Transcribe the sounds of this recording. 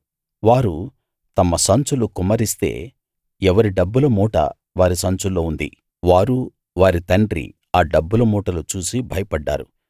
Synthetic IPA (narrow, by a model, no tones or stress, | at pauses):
ʋaːɾu | t̪ɐmːɐsɐnt͡ʃulukumɐɾist̪e̞̰ː | ɛʋɐɾiɖɐbːulɐmuːʈɐ̰ | ʋaːɾisɐnt͡ʃulːo̞ːund̪ḭ | ʋaːɾu | ʋaːɾit̪ɐɳɖɾḭ | aːɖɐbːulɐmuːʈɐlut͡ʃuːsibʱɐjɐpɐɖːa̰ːɾu